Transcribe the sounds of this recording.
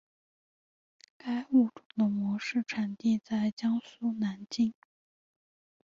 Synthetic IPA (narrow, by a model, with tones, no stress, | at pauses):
ka˥ɪu˥˩ʈ͡ʂʊ˨˩ŋd̪ə˦mwɔ˧˥ʂɻ̩˥˩ʈ͡ʂʰa˨˩nt̪i˥˧t͡sa˥˩ɪt͡ɕjɑ˥ŋsu˥na˧˥nt͡ɕi˥˩ŋ